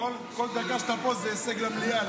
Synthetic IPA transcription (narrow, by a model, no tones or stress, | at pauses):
ol | kold̪akaʃt̪apozeːseɡlamlija